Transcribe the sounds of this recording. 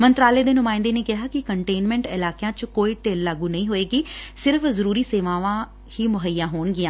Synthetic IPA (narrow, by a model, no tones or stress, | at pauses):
mənt̪ɾaːleːd̪eːnʊmãːɪ̃nd̪eːneːkɪɦaːkɪkəɳʈeːnmɛ̃ːɳʈɪlaːkjãːt͡ʃkoːiːʈeːlːaːɡũːnəĩːɦoːeːkɪsɪɾəfzəɾuːɾiːseːʋãːʋãː | hiːmʊɦəjːãːɦoːɳɡɪjãː